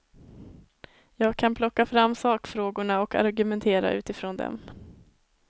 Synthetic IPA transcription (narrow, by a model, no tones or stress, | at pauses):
jɑːɡ̚kʰanpʰlɔkːafɾamːsɑːkfɾoːɡʊɳaɔka̰ɾɡɵmɛnt̪ʰeːɾa̰ʔʉ̟ːt̪ɪfɾoːnd̪ɛ̰m